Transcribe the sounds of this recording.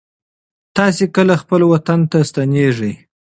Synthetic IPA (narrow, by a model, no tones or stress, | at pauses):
t̪ɑsekəlaxpəlwat̪ant̪ast̪aneʐəj